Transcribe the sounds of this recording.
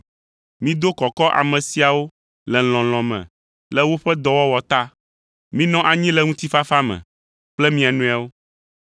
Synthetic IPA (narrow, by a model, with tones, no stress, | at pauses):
mĩ˦d̪o˦kɔ˨kɔ˦ʔa̰˨mɛ̃˨si˨a˨wo˦ | lɛ˨l̃ɔ̃˨l̃ɔ̃˨mɛ̰̃˨ | lɛ˦wo˦ɸɛ˦d̪ɔ˨wɔ˦wɔ˨t̪a˦ | mĩ˦nɔ̃˦ʔa˨ɲĩ˦lɛ˨ŋũ˦t̪i˦fa˦fa˦mɛ̰̃˨ | k͡plɛ˦mĩ˦a˨nũ˦a˨wo˦